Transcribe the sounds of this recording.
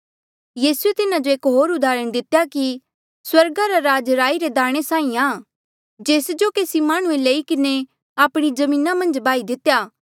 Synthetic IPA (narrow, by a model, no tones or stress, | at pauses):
jiːsuet̪ɪnad͡ʒoeːkɦoːɾʊd̪aːɾəɽ̃d̪ɪt̪jaki | swɐɾɡaɾaɾaːd͡ʒɾaːiɾed̪aːɽ̃esaːĩaː | d͡ʒeːsd͡ʒokeːsimaːɽ̃ũeleːikɪne | aːpɽ̃id͡ʒɐmĩːnamɐ̃nd͡ʒbaːid̪ɪt̪ːjaː